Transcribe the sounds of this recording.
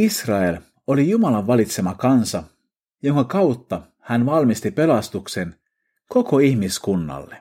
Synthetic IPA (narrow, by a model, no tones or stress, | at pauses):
isrɑe̞l | o̞lijumɑlɑʋʋɑlit̪se̞mɑkɑnsɑ | jo̞ŋkɑkɑut̪ːɑ | hænʋɑlmist̪ipe̞lɑst̪ukse̞n | ko̞ko̞içmiskunːɑ̰lːe